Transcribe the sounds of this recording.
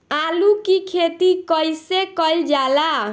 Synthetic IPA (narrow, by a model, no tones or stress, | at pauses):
alukikʰet̪ikəjsekəjld͡ʒala